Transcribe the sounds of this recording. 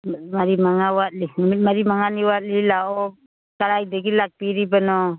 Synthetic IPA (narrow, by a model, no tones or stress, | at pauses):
maɾimaŋawat̪̚linamit̪̚maɾimaŋaniwat̪̚lilaɔ | kaɾajdaɡilak̚piɾibanɔ